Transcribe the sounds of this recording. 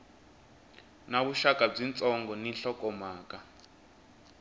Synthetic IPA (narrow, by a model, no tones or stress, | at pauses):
naβuʃakʼab͡ʐint͡sʼɔŋɡɔninɬɔkʼɔmaːk̬ʼa